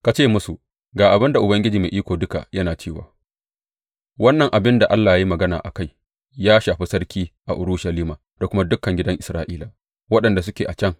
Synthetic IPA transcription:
ka˨t͡ʃeː˦mʊ˦su˨ | ɡaː˨ʔa˨bɪ˦nda˨ʔʊ˨bɐ˦ŋɡʲɪ˦d͡ʒiː˨meː˨ʔiː˦kʷoː˨dʊ˦ka̰˨jɐ˦naː˨t͡ʃeː˦˨wa̰ː˨ | wɐ˦nːɐ˨ŋʔa˨bɪ˦nda˨ʔa˦lːaː˨jaː˦ji˦mɐ˨ɡɐ˦na̰ː˨ʔa˨ka˦˨j | jaː˦ʃaː˨ɸi˦sɐ˦rkʲiː˦ʔa˨ʔʊ˨ɾu˦ʃɐ˨liː˦maː˨ | d̥a˨kʷʊ˦ma˦dʊ˦kːɐ˨ŋɡʲɪ˦dɐ˦ŋʔɪ˨sɾaː˦ʔiː˦la˨ | wɐ˦ɗɐ˨nda˨s̬ʊ˦kʲeː˨ʔa˨t͡ʃɐ˦ŋ

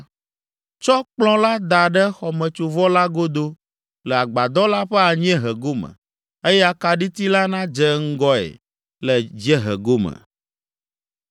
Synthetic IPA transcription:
t͡ʃɔ˦k͡plɔ̃˦la˦d̪a˨ɖɛ˦xɔ˨mɛ̃˨t͡ʃu˨vɔ˦la˦ɡo˦d̪o˦ | lɛ˨a˨ɡ͡ba˨d̪ɔ˦la˦ɸɛ˦a˨ɲ˦ɛ̃˦ɦɛ˨ɡo˦mə̰̃˨ | e˦jɛ˦a˨ka˨ɖi˦t̪i˦la˦nã˦d͡ʒɛ˦ŋ̩˦ɡɔ˦ɛ̰˨ | lɛ˨d͡ʒɛ˦ɦɛ̰˨ɡo˦mɛ̰˨

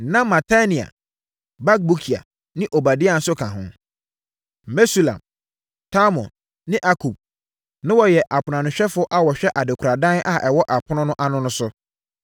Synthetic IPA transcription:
nã˦mã˨tʰa˦nĩ˨a̰˨ | ba˦k̚bu˦kʰi˨a̰˨ | nɪ̃˦ʔo˨ba˨dɪ˦a˦˨n̩˦sʊ˦kʰã˨ɦʊ̰̃˦˨ | me˦su˦˨lã̰˨m | tʰa˦mɔ̰̃˨n | nɪ̃˦ʔa˦kʰu˨b̚ | nɪ̃˦wɔ˨jɛ˨ʔa˨pʰʊ˨nã˨nʊ̃˨ɕᶣɛ˦fʊ˦ʔa˦wɔ˨ɕᶣɛ˦ʔa˨dɪ˨kʰʷɾa˨dã˦na˨ʔɛ˨wɔ˦ʔa˨pʰʊ˦nʊ̃˦nʊ̃˦ʔa˨nʊ̃˦nʊ̃˦sʊ˦

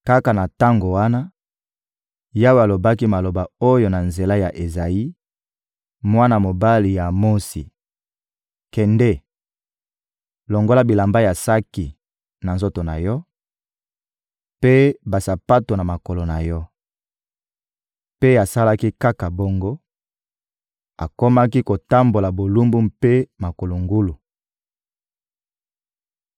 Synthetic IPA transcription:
ka˦ka˨na˨ta˦ŋɡo˨wa˦na˦ | ja˦wo˨a˨lo˨ba˦ki˦ma˨lo˨ba˨o˦jo˨na˨nze˨la˦ja˨ʔe˨za˨i˦ | mwa˦na˨mo˨ba˦li˨ja˨mo˦sḭ˨ | kɛ˨ndɛ˦ | lo˨ŋɡo˦la˦bi˨la˨mba˦ja˨sa˦ki˨ | na˨nzo˦to˨na̰˨jɔ˦ | pe˦ba˨sa˨pa˦to˨na˨ma˨ko˨lo˨na˨jɔ˦ | pe˦a˨sa˦la˦ki˦ka˦ka˨bo˦ŋɡo˦ | a˨ko˦ma˦ki˦ko˨ta˦mbo˨la˨bo˨lu˦mbu˦mpe˦ma˨ko˨lo˨ŋɡu˦lu˨

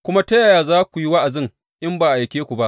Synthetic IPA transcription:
kʷʊ˦ma˦tɐ˦jaː˨jaː˨zaː˦kʷu˨ji˦wa˦ʔa˨zɪ˦ŋ | ʔɪ˦mbaː˨ʔa˨jkʲeː˦kʷu˨ba˦ʔ

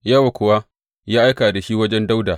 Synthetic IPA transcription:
jɐ˦wa˨kʷʊ˨wa˦ | jaː˦ʔa˦jkaː˨da˨ʃi˦wɐ˦d͡ʒɛ˦nda˦wdaː˨

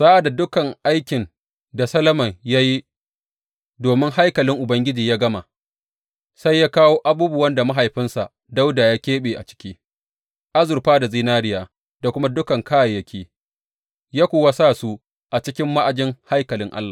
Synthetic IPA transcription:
z̥aː˦ʔa˨da˨dʊ˦kɐ˨ŋʔa˦jkʲɪ˨n | da˨sɐ˦lɐ˦mɐ˨ŋja˦ji˦ | doː˨mɪ˦ŋha˦jkɐ˨lɪ˦ŋʔʊ˨bɐ˦ŋɡʲɪ˦d͡ʒiː˨jaː˦ɡɐ˦ma˨ | sa˦jːaː˦kaː˦woː˦ʔa˦buː˦bʊ˨wɐ˦nda˨ma˦ɦa˨jɸɪ˦nsa˨ | da˦wdaː˨jaː˦kʲeː˦ɓeː˨ʔa̰˨t͡ʃɪ̥˦kʲiː˦ | ʔa˦zʊ˨ɾɸaː˦da˨ziː˦naː˦ɽɪ˦jaː˨ | da˨kʷʊ˦ma˦dʊ˦kɐ˨ŋkʰaː˦ja˨jːɐ˦kʲʰiː˦ | jaː˦kʷoː˨wa˦saː˦˨su˦ | ʔa˨t͡ʃɪ˦kʲɪ˦mːa˦ʔa˨d͡ʒɪ˦ŋha˦jkɐ˨lɪ˦ŋʔa̰˦lːaː˨

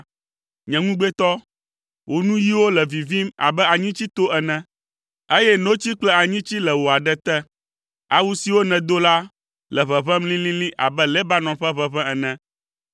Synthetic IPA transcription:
ɲɛ̃˨ŋũ˦ɡ͡bɛ˦t̪ɔ˦ | wʔo˨nũ˦ji˦wo˦lɛ˨vi˨vi˦ma̰˨bɛ˦a˨ɲĩ˦t͡ɕi˦t̪o˦ʔɛ˨nɛ̃˨ | e˦jɛ˦nõ˦t͡ɕi˦k͡plɛ˦a˨ɲĩ˦t͡ɕi˦lɛ˨wo˨a˨ɖɛ˦t̪ɛ˦ | a˨wu˦si˨wo˦nɛ̃˨d̪o˦la˦ | lɛ˨βɛ˨βɛ̃˦mlĩ˦lĩ˦lĩ˦ʔa̰˨bɛ˦lɛ˦ba˦nɔ̃˨ɸɛ˦βɛ˦βɛ̃˦ɛ˨nɛ̃˨

